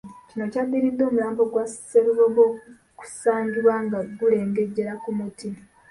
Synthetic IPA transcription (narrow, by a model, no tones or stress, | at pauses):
cino̞cad̪ːiɾid̪ːo̞ːmujaːmbo̞ɡwasseɾuβoɡo̞ | ku̥saːɲɟuwaŋɡaɡule̞ːŋɡe̞ɟːe̞ɾakumuti